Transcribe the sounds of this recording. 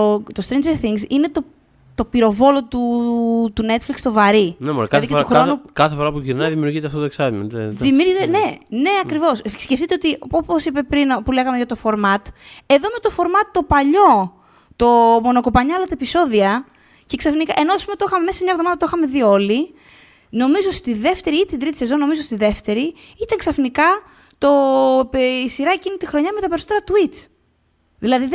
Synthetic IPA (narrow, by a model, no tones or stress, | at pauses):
ot̪ost̪ɾind͡ʒeɾθiŋɡsine̞t̪o̞ | t̪o̞piɾo̞vo̞lo̞t̪ut̪unet̪flikst̪o̞vɐɾinemoɾkɐðiceoxɾonukɐθefo̞ɾɐpuʝiɾnɐðimiuɾʝit̪eɐft̪ooeksɐvmeneðimiuɾit̪ene̞ne̞ɐkɾivo̞ssceft̪it̪e̞ot̪ioposipe̞pɾinpule̞ɣɐmeʝɐt̪ofo̞ɾmɐt̪e̞ðo̞me̞t̪o̞fo̞ɾmɐt̪ːo̞pɐʎo̞ | t̪o̞mo̞no̞kopɐɲɐɐlɐt̪ɐepiso̞ðiɐ | ce̞ksɐfnikɐ̰ʔe̞noɐspumet̪oxɐmemesemɲɐevðomɐðɐt̪oxɐme̞ðio̞li | no̞mizost̪iðe̞ft̪e̞ɾiit̪ind̪ɾit̪i̥se̞zo̞no̞mizost̪iðe̞ft̪e̞ɾi | it̪ɐŋksɐfnikɐ | t̪o̞ | isiɾɐecinit̪ixɾo̞ɲɐmet̪ɐpe̞ɾisot̪eɾɐt̪uit͡s | ðilɐðið